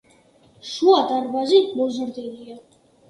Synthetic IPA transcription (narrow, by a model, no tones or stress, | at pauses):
ʃuad̪aɾbazimɔzəɾd̪ɛnija